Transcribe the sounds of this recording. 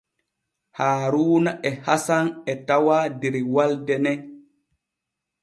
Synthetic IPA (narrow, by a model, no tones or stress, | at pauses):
haːɾuːnaʔɛhasanɛtawaːdɛɾwaldɛnɛ